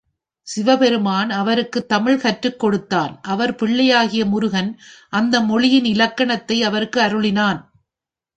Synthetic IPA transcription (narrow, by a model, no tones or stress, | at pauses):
sɪʋɐpɛɾɯmaːnɐʋɐɾɯkːɯt̪ːɐmɪɭkɐʈrɯkːɔɽɯt̪ːaːnʔɐʋɐɾpɪɭːɐjaːɣɪjɐmʊɾʊɣɐnʔɐnd̪ɐmɔɭɪjɪnɪlɐkːɐɳɐt̪ːɐɪɐʋɐɾɯkːɯɐɾɯɭɪnaːn